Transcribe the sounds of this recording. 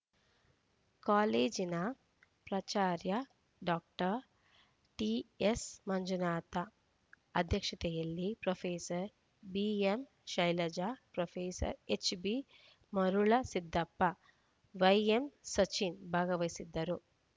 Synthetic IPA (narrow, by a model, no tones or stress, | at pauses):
kaːleːd͡ʒinɐ | pɾɐt͡ʃaːɾjɐ | ɖaːk̚ʈɐ | ʈiesmɐɲd͡ʒunaːt̪ɐ | ɐd̪ʱjɐkʂɐt̪ɛjɐlːipɾofʰeːsɐɾ | biem | ʃɐjlɐd͡ʒaːpɾofʰeːsɐ̰ɾet͡ʃbi | mɐɾuɭɐsid̪ʱːɐpːɐ | ʋɐjemsɐt͡ʃinbʱaːɡɐʋɐjsid̪ːɐɾu